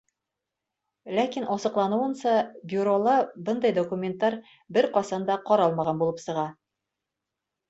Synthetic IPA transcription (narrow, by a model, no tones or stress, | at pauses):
lækinʔɒsɤ̆qlˠɑnŭwɤ̆nsɑbʲjuɾolˠɤbɤnd̪ɑjd̪okumʲent̪ːɑɾ | bɘɾqɒsɑnd̪ɑqɒɾɑlˠmɑʁɑnbulˠɤpsɤ̆ʁɑ